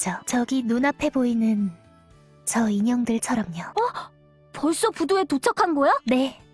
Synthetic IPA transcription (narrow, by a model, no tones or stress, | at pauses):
t͡ɕʌt͡ɕʌɡinonapʰe̞boinɯn | t͡ɕʌiɲʌŋdɯɭt͡ɕʰʌɾʌmɲʌʌ | pʌɭs͈opudoe̞tot͡ɕʰʌkʰanɡʌjane̞